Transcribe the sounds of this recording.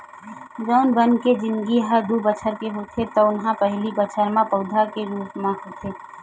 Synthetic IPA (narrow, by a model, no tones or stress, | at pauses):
zoːnbənked͡ʒɪ̃nd̪ɡiɦəɾd̪ubət͡ʃʰəɾkeɦot̪ʰet̪ɔʊnɦãpɛɦlibət͡ʃʰəɾmãpəʊd̪ʱakeɾuːsmãɦot̪ʰeː